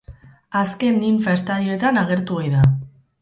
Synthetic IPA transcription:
aske̞nːiɱfaest̪aðio̞e̞t̪anaɣ̞e̞ɾt̪uojða

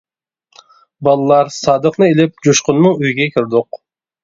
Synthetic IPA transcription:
bɑlˠɨlˠɑɾsɑːd̪əqnɨelɪp̚d͡ʒoʃqʊnmɨŋyjɡʲɛkʰʲiɾd̪ʊq

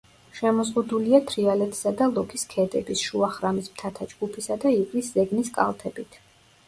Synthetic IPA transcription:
ʃɛmɔzʁud̪uliat̪ʰɾialɛt̪ʰi̥sad̪alˠɔkʰiskʰɛd̪ɛ̰bisʃuaχɾamismt̪ʰat̪ʰad͡ʒɡ̥upʰisad̪aivliszɛɡniskʼa̰lˠt̪ʰɛbit̪ʰ

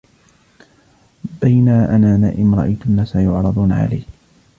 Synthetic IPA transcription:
bajnaːʔanaːnaːʔɪmɾˤɑ̰ʔa̰jt̪ʊnːaːsajʊʕɾˤɑd̪ˤuːnʕa̰la̰j

